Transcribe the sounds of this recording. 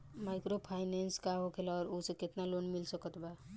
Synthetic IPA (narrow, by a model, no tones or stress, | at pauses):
makɾopʰaɪnenskaɦokʰelɔːɾosekɪt̪nalonmilsəkət̪ba